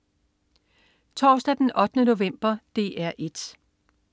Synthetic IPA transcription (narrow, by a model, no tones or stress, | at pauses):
t͡sʰɒ̰ːsd̥æd̥enɒ̽d̥ənəno̝ʋem̰b̥ɐd̥e̝ːʔæɐ̰ʔe̝d̥